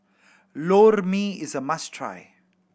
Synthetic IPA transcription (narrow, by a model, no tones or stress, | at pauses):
lɔːdmiɪzəmastʰɹa̰ɪ